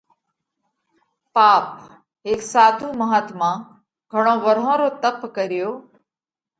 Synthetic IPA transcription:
paːp | ɦeːksaːt̪ũːməɦaːt̪mãː | ɡʱəɽ̃õːʋəɾ̤ɦõːɾoːt̪əpkəɾɪjoː

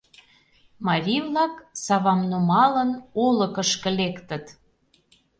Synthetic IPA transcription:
mɑɾʲivlɑksɑβɑmnomɑlənoləkəʃkə̆lekt̪ə̆t̪

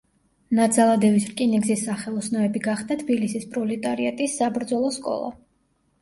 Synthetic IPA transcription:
nad̪zalˠad̪ɛvisɾkʼiniɡzisːaχɛlˠɔsnɔɛbiɡaχd̪at̪ʰbilisispʼɾɔlɛt̪ʼaɾiat̪ʼisːabɾd̪zɔlˠɔskʼɔ̰lˠa̰

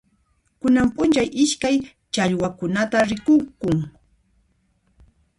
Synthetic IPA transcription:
kʊnampʊnt͡ʃajʔɪʃkaj | t͡ʃaʎwakʊnat̪aɾɪkʊkʊŋ

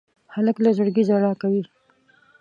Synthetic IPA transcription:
haləklazʊɽɡizaɽɑkawi

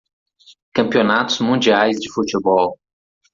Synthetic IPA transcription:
kɐ̃mpionat̪ʊzmũd͡ʒiajzd͡ʒɪfut͡ʃɪbɔl

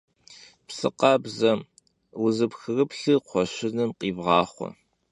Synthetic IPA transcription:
psɨ̰qɑbzɐm | wʊzɨpxɨrɨpɬɨqʷʰɔɕɪnɨmqiːvʁɑːχʷɔ̰

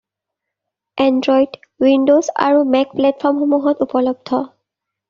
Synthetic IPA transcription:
ɛndɹɔjd | windosa̰ɹumɛk̚plɛt̚pʰɔɹmxomuɦɔtupɔlɔb̚dʱʰɔ

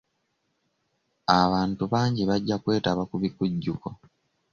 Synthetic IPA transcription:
aβaːntuβaːɲɟiβaɟːakwe̞ːtaβakuβikuɟːuko

